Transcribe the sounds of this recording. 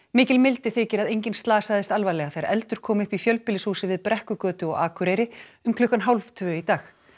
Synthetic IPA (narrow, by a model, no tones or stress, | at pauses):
mɪːcɪlmɪlt̪ɪθɪːcɪɾaðejɲcɪnst̪laːsaːðɪst̪alvajlɛɣaθejɾɛlt̪ʏɾ̥kʰɔːmʏhpifjœlpɪlɪshuːsɪvɪðpɾɛhkʏkœːt̪ʏɔ̰ɣa̰ːkʰʏɾejɾɪʏmkʰlʏhkanɦawlvt̪ʰvʏːit̪aːx